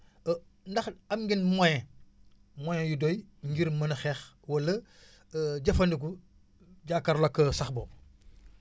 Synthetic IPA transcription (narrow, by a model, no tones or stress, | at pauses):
ndɐxɐmɡinmojẽ | mojẽjudojɲɡiɾmɐnɐxeːx | wɐlːɐ | ɟɐfɐndik̬u | ɟaːkɐɾlokːɐsɐxboː